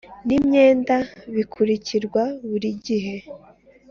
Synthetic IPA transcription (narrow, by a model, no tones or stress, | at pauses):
nimɲe̞ːndaβikʰuɾiciɾɡwaβuɾiɟiɦe̞